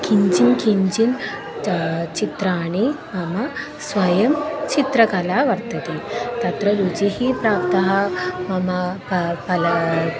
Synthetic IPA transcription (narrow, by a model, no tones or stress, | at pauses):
kiɲd͡ʑinkiɲd͡ʑin | t͡ɕit̪ɾaːɽ̃i | mɐma | sʋɐjɐmt͡ɕit̪ɾɐkalaʋɐɾt̪ɐt̪it̪at̪ɾɐɾud͡ʑiɦipɾap̚t̪ɐɦɐmamappɐla